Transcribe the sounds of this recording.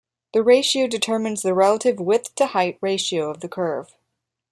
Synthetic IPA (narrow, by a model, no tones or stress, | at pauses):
ðɨɹeɪʃioʊdɨtʰɜ˞mɨ̃nzðɨɹɛlˠəɾɨvwɪðtʰɨhaɪʔ̚ɹeɪʃioʊʌvðɨkʰɜ˞v̥